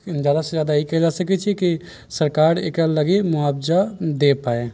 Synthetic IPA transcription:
d͡ʒaːd̪ased͡ʒjaːd̪aikɛd͡ʒasəkɛt͡ʃʰɛki | səɾkaɾḛkələɡemʊabd͡ʒad̪epae

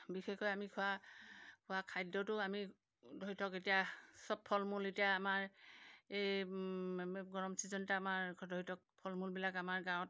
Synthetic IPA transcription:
bixexɔjamikʰʊwakʰʊwakʰajdɔtʊami | dɔɦitʰɔketijasɔbʰɔlmuletijaːmaɹ | ej | ɡɔɹɔmsizɔntaːmaɹdɔɦitʰɔk̚pʰɔlmulbilakamaɹɡaw̃ɔt

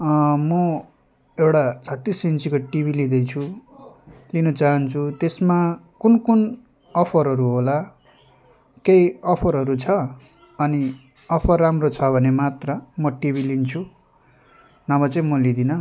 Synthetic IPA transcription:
mʌ | ewɽat͡sʰʌt̪ːisint͡sikoʈibʱilid̪ʌjt͡sʰu | linʌt͡saɦʌnt͡sʰut̪esma | kunkun | ʌpʰʌɾɦʌɾuɦola | kejʌpʰʌɾɦʌɾut͡sʰʌ | ʌni | ʌpʰʌrːamrot͡sʰʌbʱʌnemat̪rʌmʌʈibʱilint͡sʰu | namʌt͡sʌ̃ĩmʌlid̪inʌ

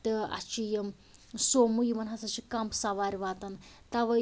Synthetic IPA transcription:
t̪ɨɐ̰t͡ʃʰijɐm | somujimɐnɦɐsɐt͡ʃʰikɐmpsɐʋaːɾʲiʋaːt̪ɐnt̪ɐʋɐ

